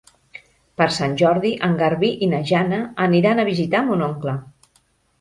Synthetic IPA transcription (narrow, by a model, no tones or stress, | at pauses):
pəɾsanʲʒɔɾðiʔəŋɡəɾβiʔinaʒanəːniɾanəβizit̪amunɔŋklə